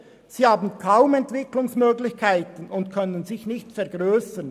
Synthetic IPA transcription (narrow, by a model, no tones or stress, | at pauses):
siːhaːbən̩kʰaʊmɛntv̥ɪkʰlʊŋsmøːɡlɪçkʰaɪtənʊntkʰœnənzɪçnɪçtfɛɐɡʁøːsən